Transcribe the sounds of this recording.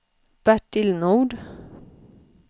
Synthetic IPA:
b̥æʈɪlnuːɖ

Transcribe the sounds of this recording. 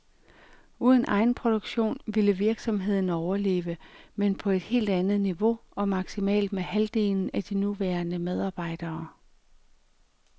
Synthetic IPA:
uːð̞ˠənʔɑ̈ɪn̩pʰʁo̝d̥oɡ̥ɕo̝̰ːnʋiləʋiɐɡ̥sɒ̽mɦe̝ð̞̰ˠn̩ɒʊɐle̝̰ːʋəmenpʰɒ̽e̝d̥he̝̰ːld̥ænð̞̩ˠniʋo̝ɒ̽mɑ̈ɡ̥simɛ̰ːld̥mehæld̥e̝̰ːln̩æd̥inuʋæːɐnəmeð̞ˠɑ̈ːb̥ɑ̈ɪ̰d̥ɐː

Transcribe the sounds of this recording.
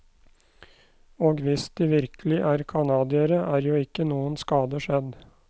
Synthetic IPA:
oːɡʋɪsd̪iːʋɪɾkəlɪʔæːɾkʰɑnɑːd̪ɪəɾəʔæːɾjuːɪkːənuːənskɑːd̪əʂɛd̪

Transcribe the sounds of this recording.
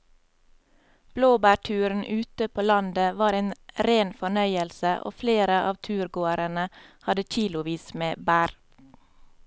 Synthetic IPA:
b̥loːbæːʈʰʉːɾn̩ʔʉːt̪əpʰoːlɑnd̪əʋɑːɾeːnɾeːnfɔɳœʏəlsəʔo̰ːfleːɾəʔɑ̰ːʋt̪ʰʉːɾɡoːəɾənəhɑd̪əc͡çiːlʊʋiːsmeːbæːɾ

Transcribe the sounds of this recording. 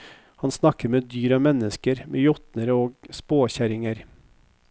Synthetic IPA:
hɑnsnɑkəɾmeːd̪yːɾɑmɛnəskəɾmʔeːjɔt̪nəɾoːɡspoːçæɾɪŋəɾ

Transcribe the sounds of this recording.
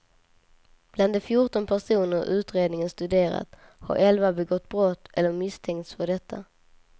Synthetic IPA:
b̥land̪ɛfjʊʈɔnpʰæʂuːnəɾʉ̟ːt̪ɾeːd̪nɪŋənst̪ɵd̪eːɾa̰t̪ | ha̰ɾɛlvabɛɡɔt̪ːbɾɔt̪ːɛlːəɾmɪst̪ʰɛŋt̪sfœɖɛt̪ʰːa

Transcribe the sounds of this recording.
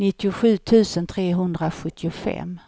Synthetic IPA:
nɪt̪ːɪʊɧʉ̟ːt̪ʰʉ̟ːsənt̪ʰɾeːɦɵnd̪ɾaɧɵt̪ːɪʊfɛ̰m

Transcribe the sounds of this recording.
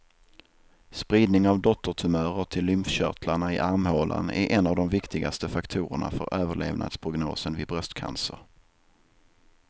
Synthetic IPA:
spɾiːd̪nɪŋavd̪ɔt̪ʰːəʈʰɵmœːɾəʈʰɪlːʏmfɕœ̰kʰlaɳaɪʔaɾmhoːlʔa̰næ̰ɾʔɛnːavd̪ɔmvɪkt̪ʰɪɡast̪əfakt̪ʰuːɾə̰ɳa̰fœɾʔøːvəɭeːvnʔa̰d̪spʰɾʊɡno̰ːsənvɪd̪bɾœst̪kʰa̰nsə̰ɾ

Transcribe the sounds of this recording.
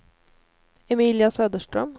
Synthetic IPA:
ɛmiːlɪasøːd̪əʂʈɾœm

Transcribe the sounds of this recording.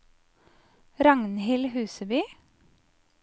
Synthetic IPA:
ɾɑŋnhɪlhʉːsəbyː

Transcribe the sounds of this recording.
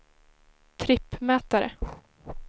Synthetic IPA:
t̪ʰɾɪpːmɛːt̪aɾə̰

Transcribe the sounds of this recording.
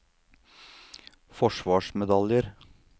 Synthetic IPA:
fɔʃʋɑːʃmɛd̪ɑljəɾ

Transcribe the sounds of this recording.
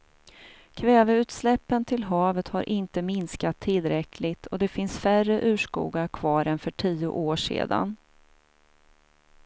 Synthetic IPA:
kʰvɛːvəʉ̟ːt̪slɛpːənt̪ʰɪlɦɑːvət̪haɾʔɪnt̪əmɪnskat̪ʰːɪlːɾɛkʰlɪt̪ʰɔd̪ɛfɪnsfærəʔʉ̟ːʂkṵːɡakʰvɑːɾɛnfœʈʰiːʊ̰ʔoːʂḛːd̪a̰n

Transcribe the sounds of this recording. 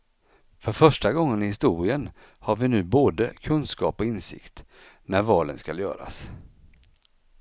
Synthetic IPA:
fœɾfœʂʈaɡɔŋːənɪhɪst̪uːɾɪən | haɾvɪnʉ̟ːboːd̪əkʰɵnskɑ̰ːpɔɪnsɪ̰kt̪ | næɾvɑːlənskaljœ̰ːɾa̰s

